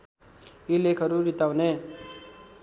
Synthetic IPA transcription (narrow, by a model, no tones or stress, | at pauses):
ilekʰəɾuɾit̪awne